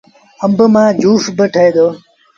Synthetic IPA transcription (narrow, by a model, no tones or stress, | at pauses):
əmbəmãːd͡ʒʱuːfbəʈʰəeːd̪oː